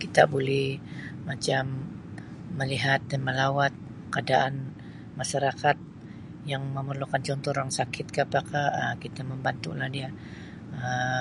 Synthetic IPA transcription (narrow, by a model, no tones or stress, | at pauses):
kit̪a̰bolɛhmat͡ʃamː | əliɦat̪̚danməlawat̪̚ | kadaʔan | maʃaɾakat̪̚ | jaŋməmərlukant͡ʃɔnt̪ɔɾɾaŋsakʰɪt̪̚kapakahəkit̪aməmbant̪ṵlahdia | ə